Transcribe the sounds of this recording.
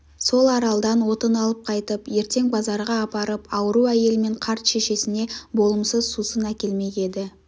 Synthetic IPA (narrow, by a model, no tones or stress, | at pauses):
so̞lˠɑɾɑlˠd̪ɑnwo̞t̪ənɑlˠəp̚qʰɑjt̪əpje̞ɾt̪e̞ŋbɑzɑɾʁɑːpɑɾəpɑwəɾuæje̞lɪme̞ɴqʰɑɾt̪ʃe̞ʃe̞sɪne̞bo̞lˠəmsəzsusənækʲe̞lme̞je̞d̪ɪ